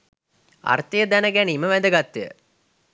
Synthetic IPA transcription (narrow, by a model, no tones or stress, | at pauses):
a̰rt̪ijəd̪ænəɡæniːməʋæd̪əɡat̪ːijə̰